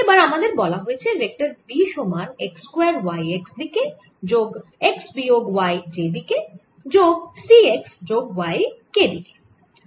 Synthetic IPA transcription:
ebaɾamad̪eɾbɔlaɦojet͡ɕʰeɾek̚ʈaɾbiʃomanekskweaɾwajeksd̪ike | d͡ʑoɡeksbioɡwajd͡ʑebike | d͡ʑoɡsieksd͡ʑoɡwajked̪ike̥

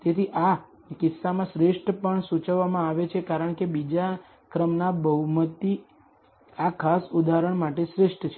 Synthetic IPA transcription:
t̪et̪ʰiʔa | kɪsːamãʃɾeʂʈʰpəɳsut͡ʃəʋːamãaʋet͡ʃʰekaɾəɳkebid͡ʒa | kɾəmnabəɦumət̪ːi | akʰasud̪aɾəɳmaʈeʃɾeʂʈʰt͡ʃʰe

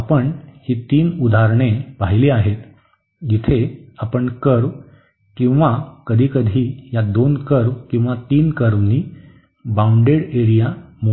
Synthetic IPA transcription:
apəɳhiːt̪iːnud̪ʱaɾɳ̃epaɦileaɦet̪ | d͡ʑit̪ʰeapəɳkəɾʋ | kĩw̃ʋakəd̪ʱiːkəd̪ʱiːjad̪onkəɾʋkĩw̃ʋat̪iːnkəɾʋniː | bauɳɖeɽeɾijamo

